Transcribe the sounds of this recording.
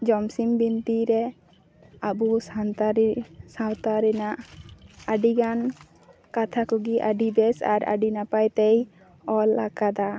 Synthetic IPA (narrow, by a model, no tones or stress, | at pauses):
d͡ʒɔmsimbint̪iɾɛ | abusant̪aɾsãwt̪aɾɛnaʔaɖiɡan | kat̪ʰakɔɡiʔa̰ɖibɛsa̰ɾa̰ɖinapajt̪ɛj | ɔlakad̪a